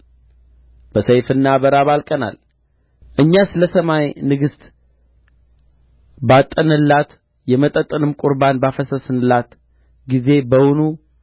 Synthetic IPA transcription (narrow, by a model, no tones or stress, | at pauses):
b̥əsəjfɨnːaβəɾaβalkʼəna̰l | ʔɨɲːasɨləsəmajnɨɡɨst̪ʼ | bat̪ʼːənɨlːat̪ | jɛmət̪ʼət̪ʼːɨnɨmkʷʼʊɾbanbafəsəsɨnɨlːat̪ | ɡize̞bəwʊnu